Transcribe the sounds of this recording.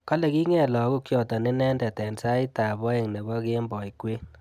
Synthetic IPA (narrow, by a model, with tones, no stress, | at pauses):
kɔ˦lɛ˨ki˦ŋɛ˨lɔ˨˦ku˦kjɔ˨tɔ˨nɪ˦nɛ˦ndɛ˨tɛ˨nsa˦i˦ta˨bɔ˦e˨ŋne˨bɔ˦ke˦mbɔ˨i˨kwe˦n